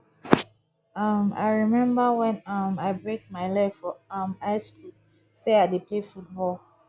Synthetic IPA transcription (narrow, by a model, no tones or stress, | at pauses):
ʌma̰ɪɹimɛ̃mbəwɛ̃nʌmaɪbɹek̚maɪlɛkfɔʌmaɪsku | seadepʰlefut̚bɔl